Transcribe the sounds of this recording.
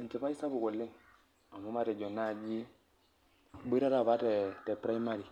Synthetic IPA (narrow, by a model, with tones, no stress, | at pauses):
n˨t͡ʃe˨pa˦i˦sa˦bu˨ko˨lːi˦ŋ | a˨mu˦ma˦ɾɛ˨d͡ʒo˨nːa˦˨d͡ʒi˦ | bi˦ɾa˦ɾa˦˨βa˦tɛ˨tɛ˨pɾa˦i˦ma˦ɾi˨